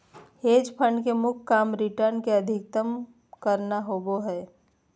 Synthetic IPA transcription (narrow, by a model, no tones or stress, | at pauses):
heːd͡ʒpʰə̃ɳɖkemʊkʰkaːmɾɪʈəɾnkeɐd̪ʱɪkt̪əm | kəɾnaɦoːɡoɦɛː